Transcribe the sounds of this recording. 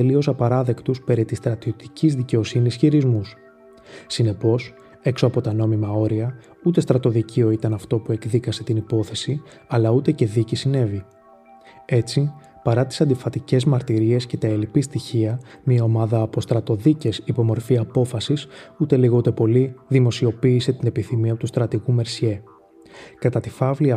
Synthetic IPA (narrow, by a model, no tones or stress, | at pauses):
t̪elio̞sɐpɐɾɐðe̞kt̪uspe̞ɾit̪ist̪ɾɐt̪io̞t̪i̥cizðice̞o̞sinisçiɾizmus | sine̞po̞s | e̞kso̞ɐpo̞t̪ɐno̞mimɐo̞ɾiɐ | ut̪e̞st̪ɾɐt̪o̞ðicio̞it̪ɐnɐft̪o̞pue̞kðikɐse̞t̪inipo̞θe̞si | ɐlɐut̪e̞ce̞ðicisine̞vi | e̞t͡si | pɐɾɐt̪i̥sɐnd̪ifɐt̪ice̞zmɐɾt̪iɾie̞sce̞t̪ɐelipist̪içiɐmiɐo̞mɐðɐːpo̞st̪ɾɐt̪o̞ðice̞sipo̞mo̞ɾfiɐpo̞fɐsisut̪e̞liɣo̞ut̪e̞po̞liðimo̞sio̞piːse̞t̪ine̞piθimiɐot̪ust̪ɾɐt̪iɣume̞ɾsie̞ | kɐt̪ɐt̪ifɐvliɐ